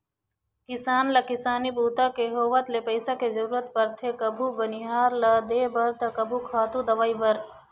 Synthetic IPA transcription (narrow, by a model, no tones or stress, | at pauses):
kɪsaːnlɐkɪsaːnibuːt̪akeɦoːʋət̪lepɐɪsakezɐɾuːɾət̪̚pɐɾt̪ʰekɐbʱubɐnɪɦaːɾlɐd̪eːbɐɾt̪ɐkɐbʱukʰaːt̪ud̪ɐʋaːibɐɾ